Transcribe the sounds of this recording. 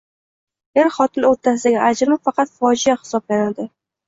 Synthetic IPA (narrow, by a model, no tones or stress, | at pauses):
eɾχɒt̪ʰɪloɾt̪ʰːas̬ɪd̪aɡʲɪʔad͡ʒɾmɪfɑqɑt̪fɒd͡ʒɪjaχɪ̥sɒblanad̪ɪ